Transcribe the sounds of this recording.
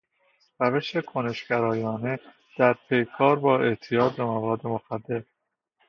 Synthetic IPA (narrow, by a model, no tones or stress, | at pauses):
ræve̞ʃe̞kʰone̞ʃɡæɾɒːjɒːne̞ | d̪̥æɾpʰe̞jkʰɒːɾbɒːe̞ʔt̪ʰijɒːd̪̚bemævɒːd̪ːemoxæd̪ːe̞ɾ